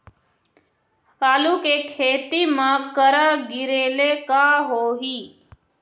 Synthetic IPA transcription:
aːlukekʰeːt̪imə̃kəɾəɡɪɾeːlekaɦoːɦiː

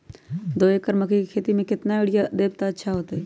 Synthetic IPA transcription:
d̪oːeːkəɾməkʰikekʰeːt̪imẽkɪt̪naɪɽɪjad̪eːb̚t̪aətːʃʰaɦoːt̪ɛ

